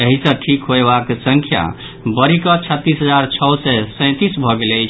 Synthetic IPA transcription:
eɦisə̃ʈʰikɦoebaksə̃ŋkʰja̰ | bəɾikət͡ʃʰət̪ːisɦəd͡ʒaɾt͡ʃʰɔwsɛsə̃t̪isbʱɔɡelɛjt͡ʃʰ

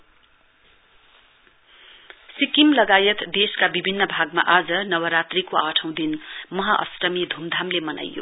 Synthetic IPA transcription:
sikimlʌɡajʌt̪d̪eskabibʱinːʌbʱaɡma̰ʔad͡zʌnʌwʌɾat̪rikoaʈʰʌ̃w̃d̪inmʌɦʌʔʌ̰srʌmid̪ʱumd̪ʱamlemʌna̰jjo̰

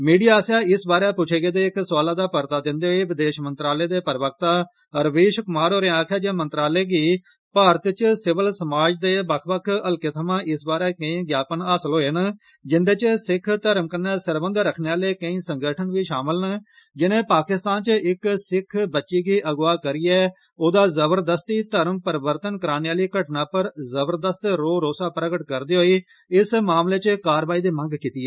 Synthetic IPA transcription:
miːɖijaːsjaːɪsbaːɾeːpʊt͡ʃʰeːɡeːd̪eːɪkswaːlaːd̪aːpəɾt̪aːd̪ɪnd̪eːɦoeːʋɪd̪eːʃmənt̪ɾaːleːd̪eːpəɾʋək̚t̪aː | ɾʋeːʃkʊmaːɾɦoːɾeaːkʰaːd͡ʒeːmənt̪ɾaːleːɡiː | paːɾət̪t͡ʃsɪʋəlsəmaːd͡ʒd̪eːbəkʰbəkʰəlket̪ʰəmãːʔɪsbaːɾeːkə̃ĩːɡjaːpənaːsəlɦoːɦend͡ʒɪnd̪eːt͡ʃsɪkʰt̪əɾəmkəneːsəɾbənd̪ɾəkʰneːaːleːkəĩːsəŋɡəʈʰənʋiːʃaːmɪln | d͡ʒɪnẽːpaːkɪst̪aːnt͡ʃɪksɪkʰbətːʃiːɡiːʔəɡʋaːkəɾiːɛː | oːd̪aːzəbəɾd̪əst̪iːt̪əɾəmpəɾɪbəɾt̪ənkəɾaːneːaːliːkəʈnãːpəɾzəbəɾd̪əst̪ɾoːɾoːsaːpɾəɡəʈkəɾd̪iːɦoːiː | ɪsmaːmleːt͡ʃkaːɾʋaːiːd̪eːmə̃ŋɡkiːt̪iːɛː

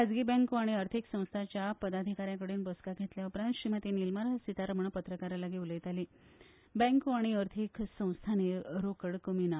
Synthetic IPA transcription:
ad͡zɡiːbɛ̃ŋkuaɽ̃iəɾt̪ʰiksə̃w̃st̪ʰat͡ɕjapəd̪ad̪ʱikaɾjãkəɽiːnbəskaɡʱet̪ljaupɾãnt̪ɕɾimət̪inilməɾsit̪aɾəmɳəpət̪ɾəkaɾalaɡiuləjt̪ali | bɛ̃ŋkuaɽ̃iəɾt̪ʰiksə̃w̃st̪ʰaneɾokəɽkəmina

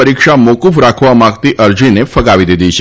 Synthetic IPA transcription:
əɾikʂamokufɾakʰʋamaɡt̪iʔəɾd͡ʑinefəɡaʋid̪id̪it͡ʃʰe

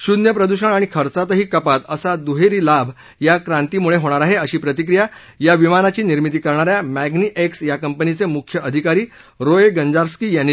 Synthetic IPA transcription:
ɕud̪njəpɾəd̪uɕəɳaɽ̃ikʰəɾt͡sat̪əɦiːkəpat̪əsad̪uɦeɾiːlabʱ | jakɾãnt̪imuɭeɦoɽ̃aɾaɦeəɕiːpɾət̪ik̬ɾija | jaʋimanat͡ɕiːniɾmit̪iːkəɾɳaɾjamæɡniʔeksjakəmpənit͡semukʰjəʔəd̪ʱikaɾiː | ɾoeɡəɲd͡zaɾskiːjanːi

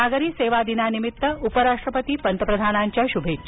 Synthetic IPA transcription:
aɡəɾiːseːʋad̪inanimit̪ːəupəɾaʂʈɾəpət̪iːpənt̪əpɾɐd̪ʱaːnaɲt͡ɕjaʃubʱeːt̪

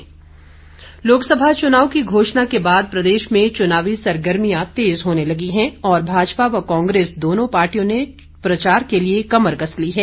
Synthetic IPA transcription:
loːksəbʱat͡ʃʊnaːʋwkiɡʱoːʃnakebaːd̪̚pɾɐd̪eːʃmẽt͡ʃʊnaːʋisɐɾɡəɾmijãt̪eːzɦoːnelɐɡiɦɛ̃ɔːɾbʱaːd͡ʒpaʋɐkãːŋɡɾeːsd̪oːnõpaːɾʈijõne | pɾɐt͡ʃaːɾkeliekɐməɾɡɐsliɦɛː

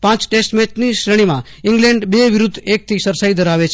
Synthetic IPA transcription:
pãt͡ʃʈesʈmɛt͡ʃniʃɾəɽ̃imã | iŋɡlẽɳɖbeʋɪɾud̪ʱːek̚t̪ʰisəɾsaid̪ʱəɾaʋet͡ʃʰ

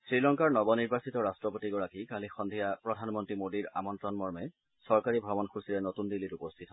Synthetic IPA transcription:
sɹilɔŋkaɹnɔbɔniɹbasitɔɹastɹɔpotiɡɔɹakikalixɔnd̪ʱijapɹɔdʱanmɔntɹimodiɹa̰mɔntɹɔnmɔɹmɛ | sɔɹkaɹibʱɔbɔnxusilɛnotundilːitupɔst̪ʰitɔ

